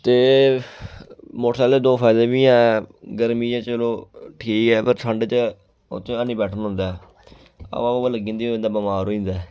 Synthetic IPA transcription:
t̪eː | moʈʰsaːleːd̪oːpʰaːɪd̪eːbiːãːɡəɾmiːd͡ʒãːt͡ʃəloːʈʰiːkɛːpəɾʈʰəɳɖt͡ʃə | o̰t̪ʰẽanĩːbɛːʈʰənɦʊ̃nd̪aː | a̰aələɡĩːnd̪iːoɪ̃nd̪aːbəmaːɾoːĩːnd̪aː

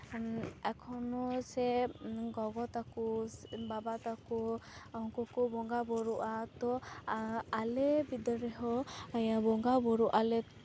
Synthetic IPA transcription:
ɛkʰɔnɔsɛɡɔɡɔt̪akubabat̪akɔɔŋkɔkɔbɔŋɡabɔɾuʔat̪ɔ | alɛbid̪ɔɾɛɦɔjabɔŋɡabɔɾuʔalɛ

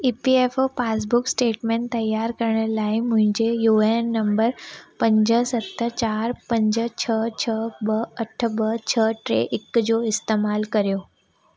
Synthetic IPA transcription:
ipiefopasbʊksʈeːʈmẽɳʈt̪ːɐjːaɾkəɾəɳəlaːimʊ̃ɦɪ̃ɲd͡ʑejuenːəmbəɾpə̃ɲd͡ʑəsət̪ʰːət͡ɕaːɾpə̃ɲd͡ʑət͡ɕʰət͡ɕʰəbəəʈʰəbət͡ɕʰəʈɾḛʔɪkd͡ʑoɪst̪eːmaːlkɐɾjoː

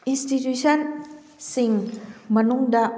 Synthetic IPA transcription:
ʔinst̪it̪usɔn | sɪŋmənuŋda

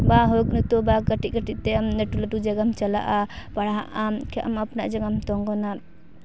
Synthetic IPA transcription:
baɦɔk̚nut̪ɔbakəʈikəʈiʔ̚t̪ɛamnəʈuləʈud͡ʒaɡamt͡ʃala̰ʔapaɽaɦaʔamkʰɛʔamapnaʔd͡ʒaŋamt̪ɔŋɡɔna

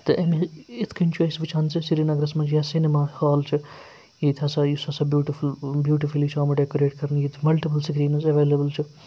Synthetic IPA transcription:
t̪ɨʔɐmiɪt̪ʰkʰɐnʲt͡ʃʰuisʋit͡ʃʰaːnt͡sɨsiɾinɐɡɾɐsmãt͡ʃʰjasinemaːhaːlt͡ʃʰɨ | jeːt̪ʰɐsajusɐsabjuːʈifulbjuːʈifulit͡ʃʰaːmɐɖekoɾeːʈkɐɾnjeːt̪ʰmɐlʈipɐlsɡɾiːnɐsɐʋeːlɐbəlt͡ʃʰi

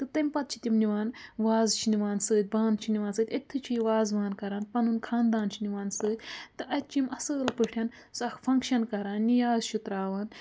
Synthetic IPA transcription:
t̪ɨt̪ɐmʲpɐt̪̚t͡ʃʰi̥t̪ʲimniʋaːnʋaːzt͡ʃʰiniʋaːnsɨːd̪̚ʲbaːnt͡ʃʰiniʋaːnsɨːt̪ʲɐt̪ʰːɨt͡ʃʰiʋaːzʋaːnkɐɾaːnpɐnunkʰaːnd̪aːnt͡ʃʰiniʋaːnsɨːd̪ʲt̪ɨʔɐt̪̚t͡ʃʰimɐsɨːlpɨʈʰʲɐn | sɐkʰfʰɐ̃ŋkʃɐnkɐɾaːnːijaːzt͡ʃʰut̪ɾaːʋaːn

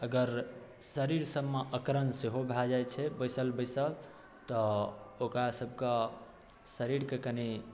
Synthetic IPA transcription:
əɡəɾ | səɾiɾsəbmeʔəkɾənseɦobʱad͡ʒajt͡ʃʰɛbəjsəlbəɪsəl | t̪ɔokɾasəbʱke | səɾiɾkekəni

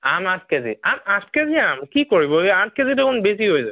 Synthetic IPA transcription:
amaskezḭamaskeziamkikoɹibɔeãt̚kezidekʰunbesiɦojza

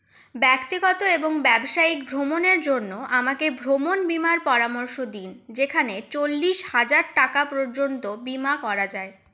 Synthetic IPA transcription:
bɛkt̪iɡɔt̪oeboŋbɛbʃaikbʱɾomoneɾd͡ʑonːoʔamakebʱɾomonbimaɾpɔɾamɔɾʃod̪ind͡ʑekʰanet͡ɕolːiʃhad͡ʑaɾʈakapɾoɾd͡ʑont̪obimakɔɾad͡ʑae

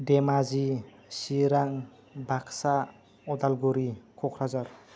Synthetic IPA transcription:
demazi | siɾaŋ | baksa | ɔd̪alɡuɾikʰɔkʰɾazaɾ

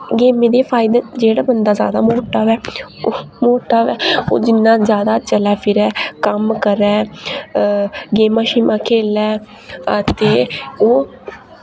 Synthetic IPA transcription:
ɡeːmẽːd̪eːpʰaːɪd̪eːd͡ʒeːɽaːbənd̪aːzja̰ːd̪a̰ːmoːʈaːʋɛː | moːʈaːʋɛːo̰ːd͡ʒɪnːãːzjaːd̪aːt͡ʃəlɛːpʰɪɾɛːkəmkəɾɛː | ɡeːmaːʃiːmãːkʰeːlɛː | ət̪eːoː

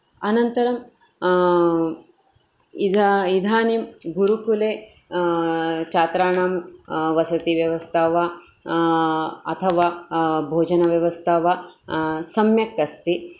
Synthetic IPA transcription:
ɐnɐnt̪ɐɾɐm | id̪id̪ʱaːnimɡuɾukuleː | t͡ʃaːt̪ɾaːɳamʋɐsɐt̪iʋjɐʋɐst̪ʰaːʋaː | ɐt̪ʰɐʋaːbʱoːd͡ʒɐnɐʋjɐʋɐst̪ʰaːʋaːsɐmjɐkːɐst̪i

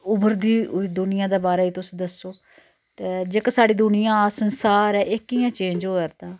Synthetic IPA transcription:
ʊbəɾd̪iːd̪ʊnɪjãːd̪eːbaːɾaːiːt̪ʊsd̪əsoː | t̪eːd͡ʒeːkːsaːɽiːd̪ʊnɪjãːaːsənsaːɾɛːʔɪkːiːjãːt͡ʃẽːɲd͡ʒɦoːəɾt̪ãː

